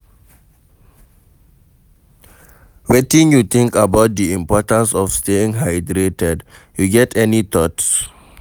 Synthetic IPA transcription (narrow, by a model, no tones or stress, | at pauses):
wetĩnjut̪ɪ̃ŋkabaʊt̚diĩmpɔtãnsɔfsteĩŋɦaɪdɹetɛd | juɡɛtʰɛnit̪ɔts